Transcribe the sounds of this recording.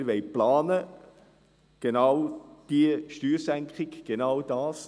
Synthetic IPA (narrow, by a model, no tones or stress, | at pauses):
ʋɛjplɑːnə | ɡ̥enawd̥iəʃtyːɾsæŋkχɪɡɡ̥enawd̥ɑːs